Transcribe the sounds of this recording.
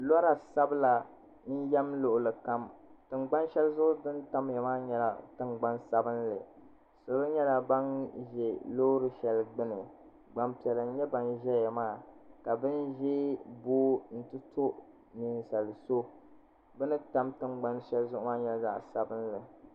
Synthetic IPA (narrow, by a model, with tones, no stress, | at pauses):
lɔ˦ɾa˨sa˦bɨ˦la˨ | n̩˦jɛ˦mlo˦˨ʔʊ˨lɨ˨ka˦mtɨ˨ŋ͡mɡ͡ba˦nʃɛ˦lzʊ˦ʔʊ˦dɨ˦nta˦mja˨maː˦ɲɛ˦la̰˨tɨ˨ŋɡ͡ba˦nsa˦bɨ˦nlɨ̰˨ | so˨lɨ˦ɲɛ˦la˨ba˦nʒɛ˨lo˦ɾɨ˨ʃɛ˨lɡ͡bɨ˦nɨ˨ | ɡ͡ba˨mpi˨ɛ˨lɨ˨n˦ɲɛ˦ba˨nʒɛ˦jɛ˨maː˦˨ka˨bɨ˦nʒɛ˦boː˦n̩˦tɨ˦tʰo˦ʔ | ni˨n˨sa˨lɨ˨so˦ | bɛ˦nɨ˦ta˦mtɨ˨˦ŋ͡mɡ͡ba˦nʃɛ˦lzʊ˦ʔʊ˦maː˦ɲɛ˦lza̰˦ʔsa˨bɨ˦nlɨ˨